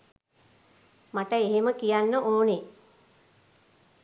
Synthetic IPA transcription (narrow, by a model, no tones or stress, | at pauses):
maʈəeɦeməkijanːəʔoːne